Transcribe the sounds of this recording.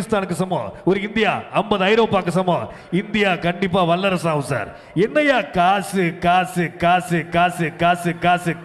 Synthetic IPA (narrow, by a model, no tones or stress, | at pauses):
ɪst̪aːnɯkːɯsɐmːõ̰ːɔɾɯɪnd̪ɪja̰ːɐmbɐðɐjɪɾɐːpaːkːɐsɐmːoː | ɪnd̪ɪjaːkɐɳɖɪpːaːʋɐlːɐɾɐsaːʋɯ̃sa̰ːɾ | ɛnːɐjaːkaːsɯkaːsɯkaːsɯkaːsɯkaːsɯkaːsɯ